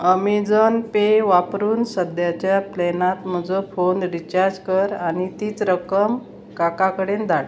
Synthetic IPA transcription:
əmid͡zənpeʋapɾuːnsəd̪jat͡ɕjaplɛnat̪m̤əd͡zofonɾit͡ɕaɾd͡ʑkəɾañit̪iːt͡sɾəkəm | kakakəɽend̪ʱaɽ

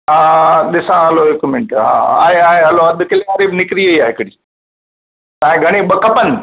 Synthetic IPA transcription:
ɦaːɗ̪ɪsãɦɐloekumɪ̃ɳʈɦã̰ːa̰ːɦeaːɦeɦɐloɐd̪ʱkɐleɐɾiːbnɪkɾiəiaːɦɪkɽiː | t̪ãːɦẽɡʱɐɽ̃eɓəkɐpən

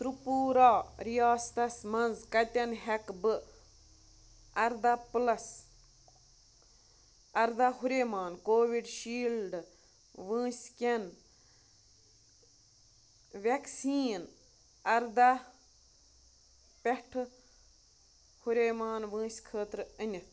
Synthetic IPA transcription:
t̪ɾupuːɾaːɾijaːst̪ɐsmɐnzkɐt̪ʲɐnɦekbɨ | ɐɾd̪aplɐs | ɐɾd̪aɦuɾemaːnkoːʋiɖʃiːlɖ | ʋɨ̃ːsʲkʲen | ʋeksiːn | ɐɾd̪a | pʲeʈʰ | huɾʲemaːnʋɨ̃ːsʲkʰəːt̪ɾɨɨnʲit̪ʰ

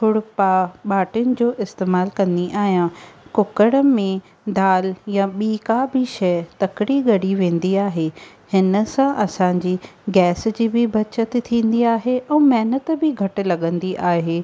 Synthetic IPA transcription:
pʰʊɽpaɓaːʈɪjʊnɪ̆d͡ʑoːʔɪst̪eːmaːlkɐ̃nd̪iʔaːɦijãkʊkəɽəmẽ | d̪aːljaɓiːkabɪʃɛːt̪ɐkɪɽiɡɐɽiʋẽːn̆d̪iaːɦeː | hɪnə̆sãʔɐsãːɲd͡ʑiːɡɛːsd͡ʑiːbɪbʱɐt͡ɕət̪t̪ʰĩːn̆d̪iaːɦeʔɛ̃ːmɛːnət̪bɪɡʱɐʈʊ̆lɐɠə̃nd̪iʔaːɦeː

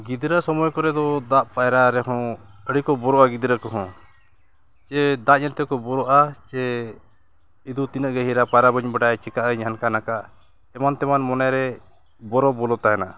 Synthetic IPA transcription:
ɡid̪ɾasɔmɔjkɔɾɛd̪ɔd̪aʔpajɾaɾɛɦɔ̃əɽikɔbɔɾɔʔaɡid̪ɾakɔɦɔ̃ | t͡ʃɛd̪aʔɲɛlt̪ɛkɔbɔɾɔʔat͡ʃɛ | id̪ut̪inəʔɡɛɦiɾapajɾabəɲbaɖajt͡ʃɛkaʔəɲɦankanakaʔ | ɛmant̪ɛmanmɔnajɾɛ | bɔɾɔbɔlɔt̪aɦɛna

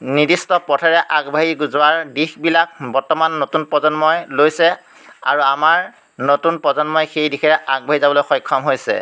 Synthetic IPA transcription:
nidistɔpɔtʰɛɹɛʔaɡbʱaɦiɡuzʊwaɹdixbilak̚bɔɹtɔmanːotunpɔzɔnmɔjlojsɛ | a̰ɹuamaɹ | notunpɹɔzɔnmɔjxejdixɛɹɛʔaɡ̚bʱaɦizabɔlojxɔjkʰːɔmɦojsɛ̰

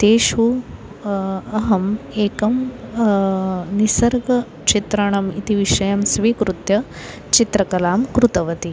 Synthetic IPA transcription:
t̪eːʃu | ɐɦɐmeːkɐm | nisɐɾɡɐ | t͡ʃit̪ɾɐɳɐmit̪iʋiʃɐjɐmsʋiːkɾut̪jɐ | t͡ʃit̪ɾɐkɐlaːmkɾut̪ɐʋɐt̪i

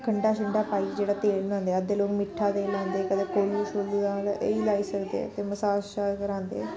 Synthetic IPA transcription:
kʰəɳɖaːʃəɳɖaːpaːiːd͡ʒeːɽaːt̪eːlnãːnd̪eɛːd̪eːloːkmɪʈʰːaːd̪eːlãːnd̪eːkəd̪eːkoːluːʃʰoːliːaːleiːlaːiːsəkd̪ḛt̪eːməsaːaːkəɾãːnd̪ḛː

